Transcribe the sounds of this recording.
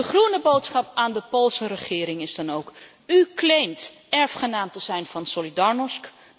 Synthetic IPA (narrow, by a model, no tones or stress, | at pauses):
dəχrunəbowtsχɑpaːndəpoːlˠsərəχɪːɾɪŋɪzdɑnowk | yklejmt | ɛɹfχənaːmtəz̥ɛjnvɑnsolidɑɹnɔsk